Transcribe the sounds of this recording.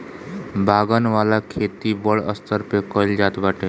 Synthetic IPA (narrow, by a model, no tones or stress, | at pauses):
bʱaːɡənʋaːlakʰeːt̪ibəɭə̰st̪əɾpekəɪld͡ʒaːt̪baːʈeː